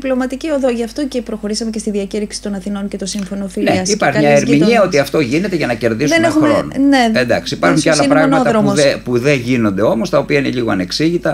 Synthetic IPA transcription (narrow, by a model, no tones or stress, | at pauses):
plo̞mɐt̪icio̞ðo̞ʝɐft̪o̞cepɾo̞xo̞ɾisɐmecest̪iðiɐciɾiksi̥t̪o̞nɐθino̞nce̞t̪o̞siɱfo̞no̞finlneɐsipɐɾçɐɲɐeɾmiɲiɐo̞t̪iɐft̪o̞ʝine̞t̪e̞ʝɐnɐce̞ɾðiszenexumeonɐneend̪ɐksiipɐɾxuɲcealɐpɾɐɣnɐot̪ɐðɾopuðeʝino̞nd̪e̞o̞mo̞st̪ɐo̞piɐine̞ʎiɣo̞ɐne̞ksiʝit̪ɐ